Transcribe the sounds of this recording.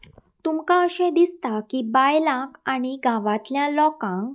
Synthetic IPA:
t̪umkaəɕẽd̪ist̪akibajlãkaɽ̃iɡaʋat̪ljãlɔkãŋ

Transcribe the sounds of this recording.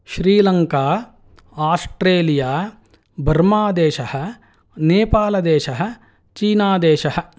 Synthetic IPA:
ʃɾiːlɐŋkaː | aːsʈɾeːlijaː | bʱɐɾmaːd̪eːʃɐhɐ̆ | neːpaːlɐd̪eːʃɐɦɐ̆ | t͡ʃiːnaːd̪eːʃɐɦɐ̆

